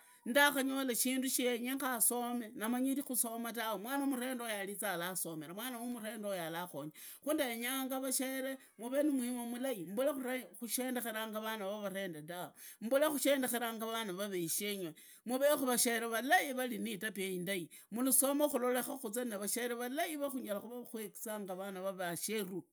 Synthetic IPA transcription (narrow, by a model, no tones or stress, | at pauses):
ndaxaɲo̞laʃiːnduʃieɲeŋxaso̞me̞namaɲiɾixuso̞matawomwaːnamuɾe̞ːndojalit͡salaso̞me̞ɾamwaːnawumure̞ːndojalaxoɲa | xuːndaeɲaːŋɡaβaʃe̞ɾe | muβe̞nimwimomulajimbulexuɾaxuʃeːndexeɾaːŋɡaβanaβaβaɾe̞ːndedaom̩bulexuʃeːndexeɾaːŋɡaβanaβaβeiʃeɲwe | muβexuβaʃeɾeβalajiβalinitapjeindai | muluso̞moxulo̞lexaxut͡sanaβaʃeɾeβalajiβaxuɲalaxuβaxweki̥t͡saŋɡaβanaβaβaʃeru